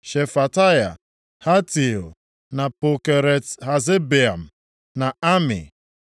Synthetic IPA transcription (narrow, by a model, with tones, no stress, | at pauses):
ʃe˨fa˨ta˦ja̰˨ | ha˦ti˨o̰˨ | na˨pʊ˨ke˨ɾe˨tɦa˨ze˦be˨a˨m̩˨ | na˨a˦mɪ̰˨